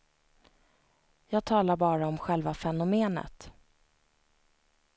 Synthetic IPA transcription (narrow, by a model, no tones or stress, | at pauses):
jɑːɡ̚t̪ʰɑːlaɾbɑːɾaɔmɧɛlvafɛnʊmeːnə̰t̪